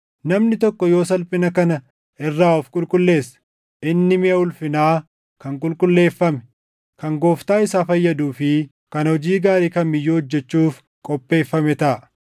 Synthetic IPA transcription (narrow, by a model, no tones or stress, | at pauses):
nɐmnɪt̪ɔkːɔjo̞ːsɐlpʼɪnɐkɐnɐ | ɪrːaːʊfkʼʊlkʼʊlːe̞ːsːɐ̥ | ʔɪnːɪmɪɐʊlfɪnaː | kɐŋkʼʊlkʼʊlːe̞ːfːɐmɛ̥ | kɐŋɡo̞ːft̪aːɪsaːfɐjːɐd̪uːfɪ | kɐnhɔd͡ʒiːɡaːɾiːkɐmːɪjːoːhɔd͡ʒːɛt͡ʃːuːf | kʼɔpʼːe̞ːfːɐmɛt̪ɐʔɐ